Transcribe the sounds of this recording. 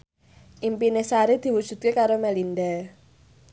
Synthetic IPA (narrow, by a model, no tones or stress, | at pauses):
ʔimpinesaɾed̪̥i̤wud̥ʒ̥ṳt̪̚kekaɾomɛlinda